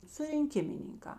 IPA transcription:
sʊrʲɪŋʲˈkʲɪmʲɪnʲɪŋkɑː

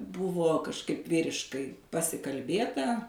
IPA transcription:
ˈbʊʋoː kɐʃˈkɐɪp ˈʋʲiːrʲɪʃkɐɪ pɐsʲɪkɐlʲˈbʲeːtɐ

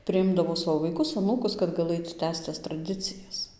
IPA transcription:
pʲrʲɪˈɪmdɐʋoː ˈsɑːʋoː ʋɐɪˈkʊs ɐˈnuːkʊs kɐt ɡɐˈlˠɘt ˈtʲæːst͡s tɐs trɐˈdʲɪt͡sʲɪjɛs

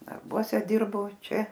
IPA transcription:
dɐrˈbuɔsʲɛ ˈdʲɪrboː ˈt͡ʃʲɛ

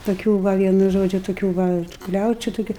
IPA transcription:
toːˈkʲuː ˈʋɐ ˈʋʲiɛnʊ ˈʒoːd͡ʒʲʊ toːˈkʲuː ˈʋɐ ˈklʲɛʊt͡ʃʲʊ tʊˈkʲʊ

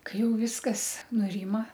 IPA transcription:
ˈkɐɪ ˈjɛʊ ˈʋʲɪskɐs nʊˈrʲɪmɐ

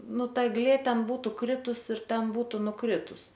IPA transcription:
ˈnʊ ˈtɐ ɛɡˈlʲeː ˈtʲɛn ˈbuːtʊ ˈkrʲɪtʊs ɪr ˈtʲɛn ˈbuːtʊ nʊˈkrʲɪtʊs

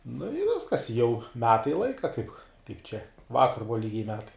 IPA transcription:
nʊ ɪ ˈʋʲɪskɐs ɪ jɛʊ ˈmʲæːtɐɪ ˈlˠɐɪkɐ kɐɪp ˈt͡ʃʲɛ ˈʋɑːkɐr ˈbʊʋɐ ˈlʲiːɡʲɛɪ ˈmʲæːtɐɪ

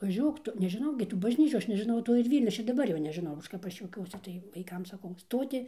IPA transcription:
ʋɐˈʒʲuɔk ˈtʊ nʲɛʒʲɪˈnɐʊ ɡʲɪ tuː bɐʒʲˈnʲiːt͡ʃʲuː ˈɐʃ nʲɛʒʲɪˈnɐʊ ˈtoː ɪr ˈʋʲiːlʲnʲoː ˈɐʃ ɪr dɐˈbɐr ˈjoː nʲɛʒʲɪˈnɐʊ ˈɐʃ kɐp ˈɐʃ juɔˈkʲuɔsʲɪ tɐɪ ʋɐɪˈkɐm sɐˈkɐʊ ˈstoːtʲɪ

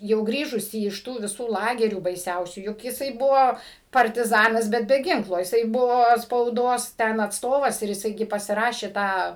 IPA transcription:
jɛʊ ˈɡrʲiːʒʊsʲɪ ɪʃ ˈtuː ʋʲɪˈsuː ˈlˠɑːɡʲɛrʲuː bɐɪˈsʲɛʊsʲuː jʊk jɪˈsɐɪ ˈbʊʋoː pɐrʲtʲɪˈzɑːnɐs ˈbʲɛt bʲɛ ˈɡʲɪŋklˠoː jɪˈsɐɪ ˈbʊʋoː spɐʊˈdoːs ˈtʲɛn ɐtsˈtoːʋɐs ɪr jɪˈsɐɪ ˈɡʲɪ pɐsʲɪˈrɑːʃʲeː ˈtɑː

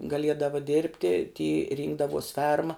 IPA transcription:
ɡɐˈlʲiɛdɐʋɐ ˈdʲeːrʲpʲtʲɪ tʲiː ˈrʲiːŋɡdɐʋoːs ˈfʲɛrmɐ

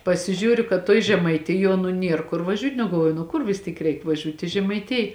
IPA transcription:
pɐsʲɪˈʒʲuːrʲʊ kɐt tuɔj ʒʲɛmɐɪˈtʲɪjuɔ nʊ ˈnʲiɛr kʊr ʋɐˈʒʲuːtʲ nʊ ɡɐlˠˈʋuɔjʊ nʊ ˈkʊr ʋʲɪs ˈtʲiːk ˈrʲɛɪk ʋɐˈʒʲuːtʲ ɪ ʒʲɛmɐɪˈtʲɪj

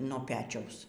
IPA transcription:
noː ˈpʲæːt͡ʃʲɛʊs

